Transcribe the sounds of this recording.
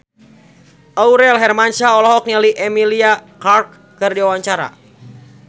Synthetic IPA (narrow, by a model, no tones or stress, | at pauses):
ʔauɾɛlɦɛrmant͡ʃaɔlɔɦɔk̚ɲaliʔɛmiliakark | kɨrdiawaɲt͡ʃaɾa̰